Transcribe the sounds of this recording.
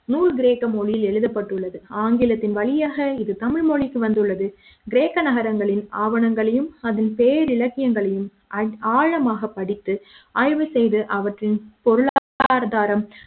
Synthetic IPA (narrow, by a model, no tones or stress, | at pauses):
nuːɾɯɡɪɾeːkːɐmɔɻɪjɪlɛɻɯðɐpːɐʈːɯɭːɐðɯaːŋɡɪlɐt̪ːɪnʋɐɭɪjaːɣɐɪðɯt̪ɐmɪɻmɔɭɪkːɯʋɐnd̪ɯɭːɐðɯ | ɡɪɾeːkːɐnɐɣɐɾɐŋɡɐɭɪna̰ːʋɐɳɐŋɡɐɭɐjɯmɐðɪnpeːɾɪɻɐkːɪjɐŋɡɐɭɐjɯm | ɐaːɻɐmaːɣɐpːɐɽɪt̪ːɯʔaːɻʋɯsɛjðɯʔɐʋɐʈrɪnpɔɾɯɭaaːɾɐðaːɾɐm